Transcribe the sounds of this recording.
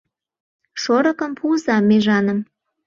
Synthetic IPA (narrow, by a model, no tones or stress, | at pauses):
ʃoɾɤ̆kə̆mpuzɑmːeʒɑnə̆m